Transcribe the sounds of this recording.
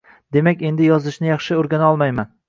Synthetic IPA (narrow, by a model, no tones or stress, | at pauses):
d̪e̞makʲe̞nd̪ɪjɒzɪʃnɪjɑχʃɪoɾɡʲanɒlˠmajman